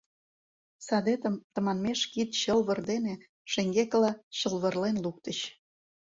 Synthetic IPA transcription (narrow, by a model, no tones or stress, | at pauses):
sɑd̪et̪əmt̪ə̆mɑnmeʃkit̪ɕəlβə̆rd̪ene | ʃeŋɡekəlɑɕə̆lβə̆rlenluk̚t̪ə̆ɕ